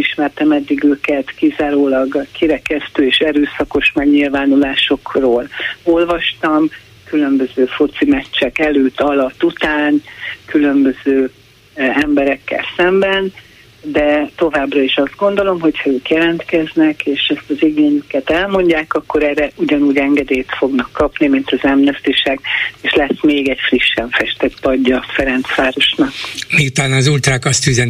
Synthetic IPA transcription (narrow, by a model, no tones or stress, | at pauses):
iʃmɛrt̪ɛmɛd̪ːiɡøːkɛt̪kizaːɾoːlɒɡkiɾɛkɛst̪øːeːʃɛɾøːsɒko̞ʃmaɡɲilvaːnulaːʃo̞kroːlo̞lvɒʃt̪ɒm | kylø̞mbøzøːfut̪simɛt͡ʃt͡ʃːɛkɛløːt̪ːɒlɒt̪ːut̪aːnkylømbø̞zøː | ɛmbɛɾɛkːɛ̰lsɛmbɛn | d̪ɛt̪o̞vaːbrɒiʃɒzd̪̚ɡo̞nd̪o̞lo̞mɦo̞cʰhɒøːkjɛlɛnt̪kɛznɛkeːʃɛst̪ɒziɡeːɲykɛt̪ɛlmo̞ɲɟaːkɒkːo̞ɾɛːrɛuɟɒnuːɟɛŋɡɛd̪eːjt̪fo̞ɡnɒkːɒpnimint̪ɒzɛmnɛst̪iʃaɡeːʃlɛsmeːɡɛcfriʃːɛɱfɛʃt̪ɛt̪pɒɟːɒfɛɾɛnt̪sʋaːɾo̞ʃnɒkmiut̪aːnɒːzult̪ɾaːkɒst̪yzɛn